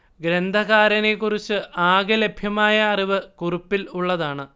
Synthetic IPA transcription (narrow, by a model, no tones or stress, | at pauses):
ɡɾend̪ʱɐɣaːɾɐnekːurit͡ɕːɨʔaːɣɨle̞bʱjɐmaːjɐːriʋɨkurupːiluɭːɐðaːɳɨ